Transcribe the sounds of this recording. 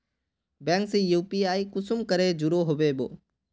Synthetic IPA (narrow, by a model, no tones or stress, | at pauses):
bɛ̃ːŋksijuːpiaːikʊsʊmkəɾed͡ʑʊɾoɦoʋeːɓo̰ː